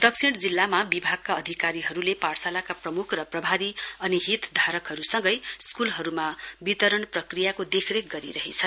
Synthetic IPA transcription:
d̪ʌk̚t͡sʰiɽ̃d͡zilːamabibʱaɡ̚kaʌd̪ʱikaɾiɦʌɾuleparsalakaprʌmukʰrʌprʌbʱaɾiʌniɦit̪d̪ʱaɾʌkɦʌɾusʌŋɡʌjskulɦʌɾumabit̪ʌɾʌɳprʌkrijakod̪ekʰrek̚ɡʌɾḭɾʌɦet͡sʰʌ

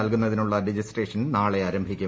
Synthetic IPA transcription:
ɐlkunːɐðinuɭːɐɖed͡ʑisreːʂɐnnaːɭeaːɾɐmbʱikʲːu

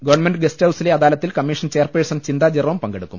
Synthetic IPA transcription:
ɡɐʋɐrnmenɖɨɡesthɐwsileɐðaːlɐt̪ːilkɐmːiʂɐnt͡ɕe̞ːrpeɻisɐmt͡ɕind̪aːd͡ʑirʋɐmpɐŋɡeɽukːṵm

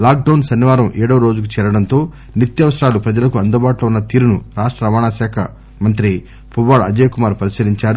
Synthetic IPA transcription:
laːk̚ɖɐwnsɐnːiʋaːɾɐmʔɛːɽɐːɾo̞ːd͡ʒukut͡ʃɛːɾɐɽɐnt̪o̞ː | nit̪jɐʋɐsɐɾaːlupɾɐd͡ʒɐlɐkuɐnd̪ɐbaːʈlounːɐt̪iːɾunuɾaːʂʈɾɐɐʋaːɳaːʃaːkʰɐ | mɐnt̪̬ɾi | pʰubaːɭɐ̰d͡ʒeːjɐkumaːɾpɐɾisiliɲt͡ʃaːɾu

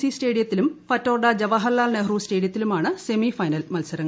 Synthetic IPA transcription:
sisteːɽijɐt̪ːilumfɐtːoːrɖɐd͡ʑɐʋɐɦɐlːaːlneɦruːste̞ːɽijɐt̪ːilumaːɳɨse̞mifɐjnɐlmɐlsɐɾɐŋːɐɭ

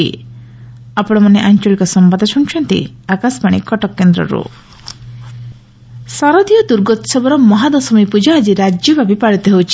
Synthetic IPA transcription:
ḭ | apɔɽ̃ɔmaneʔant͡ʃɔlikɔsɔmbad̪ʱɔt͡ʃʰuŋt͡ʃʰɔnt̪ḭakasbaɽ̃ḭkɔʈɔkːend̪ɾɔ̰ɾṵ | saɾɔd̪ijɔd̪uɾɡɔt̪sɔbɔɾɔmɔɦad̪ɔsɔmipud͡ʒad͡ʒiɾad͡ʒjɔbʱabipaɽit̪iɦewt͡ʃʰi̥

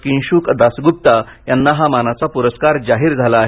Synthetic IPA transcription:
kĩnɕuːkd̪asɡup̚t̪a | janːaɦamanat͡sapuɾəskaɾd͡zaɦiːɾd͡zʱalaːɦe

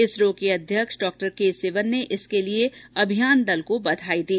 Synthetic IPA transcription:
ɪsɾoːkeɐd̪ʱjəkʃɖɔːk̚ʈəɾkeseːʋənːeʔɪskelieɐbʱijaːnd̪ɐlkobɐd̪ʱaːid̪iː

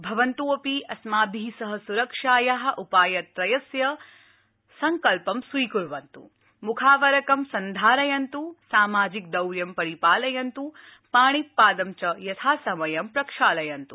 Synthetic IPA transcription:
bʱɐʋɐnt̪uːɐpiʔɐsmaːbʱisɐɦɐsuɾɐkʂaːjɐɦɐ̆ʔupaːjɐt̪ɾɐjɐsjɐ | sɐŋkɐlpɐmsʋiːkuɾʋɐnt̪ṵ | mukʰaːʋɐɾɐkɐmsɐnd̪ʱaːɾɐjɐnt̪usaːmaːd͡ʒik̚d̪ɐwɾjɐmpɐɾipaːlɐjɐnt̪u | paːɳ̃ip̪paːd̪ɐmt͡ʃɐjɐt̪ʰaːsɐmɐjɐmpɾɐkʂaːlɐjɐnt̪u

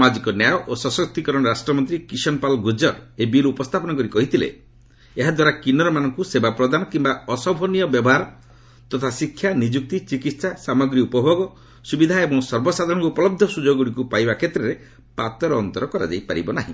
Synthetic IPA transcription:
smad͡ʒikɔnjajɔʔosɔsɔk̚t̪ikɔɾɔɽɔɾasʈɾɔmɔnt̪ɾikisɔnpalɡud͡ʒɔɾebilupɔst̪ʰapɔnakɔɾikɔɦit̪ʰilḛ | eɦad̪waɾakinɔɾɔmanɔŋkusebapɾɔd̪anɔkimbaɔsɔbʱɔnijɔbjɔbɔɦaɾɔ | t̪ɔt̪ʰasikʰːjanid͡ʒuk̚t̪it͡ʃikit̪sasamɔɡɾiupɔbʱoɡɔ | subid̪ʱaebɔŋsɔɾbɔsad̪ʱɔɾɽɔ̃ŋkupɔlɔb̚d̪ʱɔsud͡ʒoɡuɽikupajbakʰet̪ɾeɾe | pat̪ɔɾɔːnt̪ɔɾɔkɔɾa̰d͡ʒa̰jpaɾibɔnaɦḭ̃

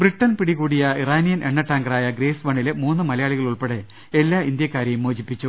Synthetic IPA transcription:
briʈːɐnpiɽiɣuːɽijɐiraːnijɐnʔe̞ɳːɐʈːaːŋɡɐraːjɐɡɾeːsʋɐɳːilemuːnːɨmɐlɐjaːɭiɣɐɭuɭpeɽe | e̞lːaːind̪jɐkːaːɾjɐjumoːd͡ʑipːit͡ɕːu

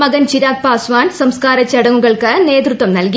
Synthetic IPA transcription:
mɐɡɐnt͡ɕiɾaːk̚paːsʋaːnsɐmskaːɾɐt͡ɕːɐɽɐŋːuɣɐɭkɨne̞ːd̪rut̪ʋɐmnɐlki

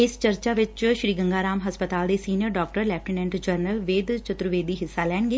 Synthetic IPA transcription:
ɪst͡ʃəɾt͡ʃaːʋɪt͡ʃʃɾiːɡəŋɡaːɾaːmɦəspət̪aːld̪eːsiːnɪjəɾɖɔːkʈəɾlɛːp̚ʈinɛ̃ɳʈd͡ʒəɾnəlʋeːd̪t͡ʃət̪ɾʊʋeːd̪iːɦɪsːaːlɛːɳɡeː

